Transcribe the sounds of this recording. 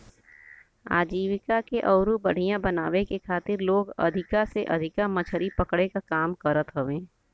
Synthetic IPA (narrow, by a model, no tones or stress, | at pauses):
a̰ːd͡ʒiːʋɪkakeʔɔːɾubɐɽ̤ijãbɐnaːʋekekʰaːt̪ɪɾloːɡɐ̰d̪ʱɪkaseʔɐd̪ʱɪkamɐt͡ʃʰəɾipɐkɽekakaːmkəɾət̪ɦoʋẽː